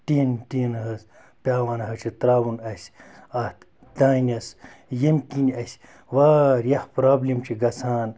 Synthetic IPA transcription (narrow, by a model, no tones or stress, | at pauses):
ʈiːntinɦɐs | pʲaːʋaːnɦɐt͡ʃʰit̪ɾaːʋunɐsʲɐt̪ | d̪aːnʲɐsjemkinʲɐsʲ | ʋaːɾjɐhpɾaːblʲimt͡ʃʰiɡɐsʰaːn